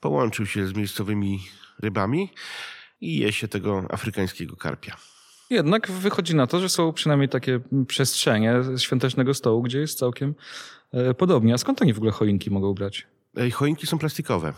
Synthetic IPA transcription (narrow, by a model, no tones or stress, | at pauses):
pɔwɔnt͡ʂɘwɕɛzmʲjejst̪sɔvɘmʲiɾɘbamʲi | ijɛɕɛt̪ɛɡɔa̰fɾɘkaj̃skʲɛɡɔka̰ɾpʲja | jɛd̪naɡvɘxɔd͡ʑinat̪ɔʐɛsɔ̃w̃pʂɨnajmɲejt̪akʲɛpʂɛstʂɛɲɛɕfʲjɔ̃nt̪ɛt͡ʂnɛɡɔst̪ɔwuɡd͡ʑɛjɛst̪sawkʲɛm | pɔd̪ɔbɲɛaskɔnt̪aɲʲivɔɡulɛxɔiŋkʲimɔɡɔ̃w̃bɾat͡ɕ | ɛxɔjiŋkʲisɔ̃w̃plast̪ikɔvɛ̰